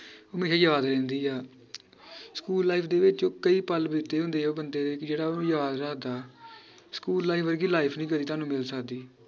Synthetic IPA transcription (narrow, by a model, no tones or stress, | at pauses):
əmeːʃaːjəʋaːd̪ɾɛ̃ːnd̪iːɛː | skuːlːaːiːpʰd̪eːʋɪt͡ʃd͡ʒoːkəiːpəlbɪt̪ːeːɦʊ̃nd̪eːoːbənd̪eːd̪eːkɪd͡ʒeːɽaːõjəʋaːd̪ɾaːd̪aː | skuːlːaːiːʋəɾɡiːlaːɪpʰnĩːkəd̪iːt̪aːnũːmɪlsəkd̪iː